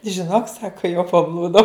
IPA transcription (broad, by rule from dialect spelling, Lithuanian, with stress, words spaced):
ʒʲɪˈnoːk ˈsɑːkɐ jɛʊ pɐˈblˠuːdɐʊ